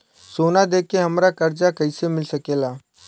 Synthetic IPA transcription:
soːnad̪eːkːeɦɐmɾakəɾd͡ʒakəɪsemɪlsəkeːlaː

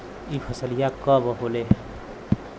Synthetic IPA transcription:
ipʰʌsəlijakʌbʌɦole

